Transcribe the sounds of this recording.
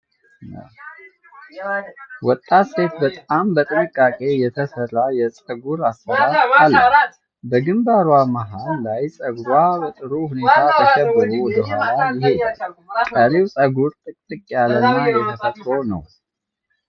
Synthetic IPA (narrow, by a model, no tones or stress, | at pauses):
wɔt̪ʼːat̪se̞t̪bət̪ʼambət̪ʼɨnɨkʼːakʼe̞jɛt̪ʰəsərːajɛsʼəɡuɾasːəɾat̪alːə | bəɡɨmbaɾwamaɦanlajsʼəɡɾwabət̪ʼɨɾohune̞t̪ʰat̪ʰəʃɛbːəɾuwɔd̪əɦwalajɪɦe̞kʼəlewsʼəɡuɾt̪ʼɨkʼt̪ʼɨkʼjalənːajɛt̪ʰəfət̪ʼɾo̞nə̰w